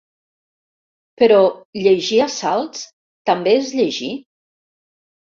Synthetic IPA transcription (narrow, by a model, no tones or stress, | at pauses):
pəɾɔʎeʒiasalˠts | t̪ambeezʎeʒi